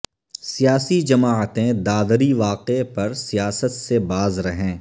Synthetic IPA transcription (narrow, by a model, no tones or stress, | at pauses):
sijaːsid͡ʒɐmaːət̪ẽd̪aːd̪ɾiʋaːqepɐɾsijaːsət̪sebaːzɾɐɦẽː